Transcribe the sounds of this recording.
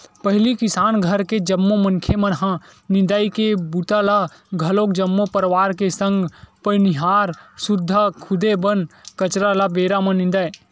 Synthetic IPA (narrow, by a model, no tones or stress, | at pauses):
pəɦɪlikisaːnɡʱəɾked͡ʒəmːomənkʰemənɦã | nĩnd̪aikebut̪ala | ɡʱəlokd͡ʒəmːopəɾʋaːɾkesə̃ŋɡpəniɦaːɾsud̪ʱːakʰʊd̪ebənkət͡ʃɾalabeɾamənĩnd̪aj